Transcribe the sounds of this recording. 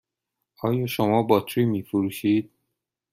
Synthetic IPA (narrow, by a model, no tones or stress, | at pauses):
ʔɒːjɒːʃomɒːbɒt̪ʰɾiːmiːfoɾuːʃiːd̪̚